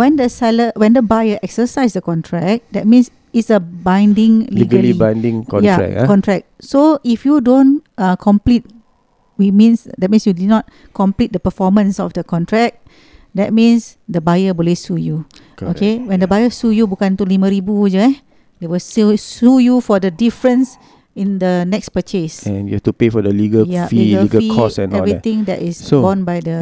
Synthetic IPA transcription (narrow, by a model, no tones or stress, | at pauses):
wɛ̃ndəsɛləwɛ̃ndəbajəʔɛksəsaɪsdəkɔ̃ntʰɹɛk̚dɛt̚mĩns | itsəbãjndĩŋliɡəllibãjndĩŋkkɔ̰̃jaɛ̰kkɔ̃ntɹɛk̚soifjudõnãkʰɔ̃mplit̚ | wit͡ʃmĩnsdɛt̚mĩnsjudinɔt̚ | kɔ̃mplit̚dəpəfɔmə̃nsɔfdəkɔ̃ntɹɛk̚ | dɛt̚mĩnsdəbajəbulisuju | okewɛ̃ndəbajəsujubukãnt̪ulimə̃ɾibud͡ʒuɛ | dewilssujufɔdədifɹə̃ns | ĩndənɛkspət͡ʃesɛ̃njṵhɛftupefɔdəliɡəjafiiɡəikɔsɛ̰̃nɛvɹit̪ĩŋdɛ̰ʔisbɔ̃nbajdə